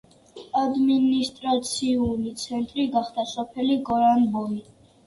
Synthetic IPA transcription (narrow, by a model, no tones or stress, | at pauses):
ad̪minist̪ʼɾat̪sʰiunit̪sʰɛnt̪ʼɾiɡaχd̪asɔpʰɛliɡɔɾanbɔmi